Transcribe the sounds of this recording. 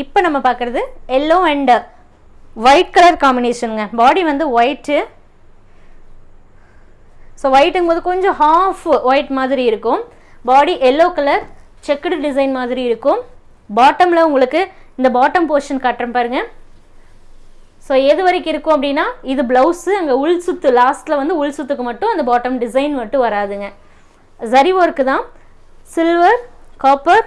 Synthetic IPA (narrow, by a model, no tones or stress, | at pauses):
ɪpːɐːnɐmːɐpaːɾkɯɾɐðɯɛlːoːɛɳɖ | ʋɐɪʈkɐlɐɾkaːmbɪneːsɐnɯŋɡɐbaːɽiʋɐnd̪ɯʋɐɪʈːɯ | soːʋɐɪʈːɯŋboːðɯkɔɲd͡ʒõhaːfʋɐɪʈmaːðɪɾiɪɾɯkːʊ̃ | baːɽiʔɛlːoːkɐlɐɾ | t͡ʃɛkːɽɖɪsɐɪnmaːðɪɾiɪɾɯkːʊ̃ | baːʈːɐmlɐʊŋɡɐɭɯkːɯɪnd̪ɐbaːʈːɐmpoːɾʂɐnkɐʈːɾɐmpaːɾɯŋɡɐ | soːɛðɯʋɐɾɐɪkːɪɾɯkːʊ̃ɐp̬ːɐɽɪnːaːɪðɯblɐʊsɯɐŋɡɐʊɭsʊt̪ːɯlaːstlɐʋɐnd̪ɯʊɭsʊt̪ːɯkːɯmɐʈːʊ̃ɐnd̪ɐbaːʈːɐmɖɪsɐɪnʋɐʈːɯʋɐɾaːðɯŋɡɐ | sɐɾɪʋoːɪɾɯkːɯt̪ãː | sɪlʋɐɾkaːpːɐɾ